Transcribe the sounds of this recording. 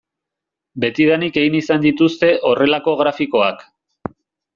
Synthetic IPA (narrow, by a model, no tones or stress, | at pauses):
be̞t̪iðanike̞ɣinisand̪it̪ust̪e̞ʔo̞re̞lako̞ɣɾafiko̞ak